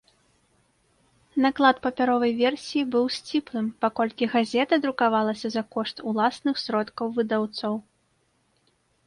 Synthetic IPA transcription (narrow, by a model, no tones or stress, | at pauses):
naklˠat̪pɐpʲaɾɔvɐjvʲɛrsʲijibɨwsʲt͡sʲiplˠɨmpakɔlʲkʲiɣazʲɛt̪ɐd̪ɾukavalˠɐsʲɐzɐkɔʂt̪ulˠasnɨxsʲɾɔt̪kɐwvɨd̪awt̪sɔw